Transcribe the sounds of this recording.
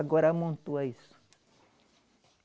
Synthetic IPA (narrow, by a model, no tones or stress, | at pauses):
ɡɔɾamõnt̪uaisʊ̥